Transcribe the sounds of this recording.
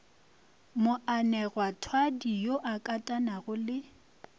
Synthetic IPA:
mʊanɛɣwatʰwadijoʔakʼatʼanaɣʊlɪ

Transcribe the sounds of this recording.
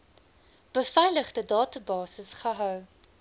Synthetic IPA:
b̥əfɛjləχdədɑːtəbɑːsəsχəɦœw

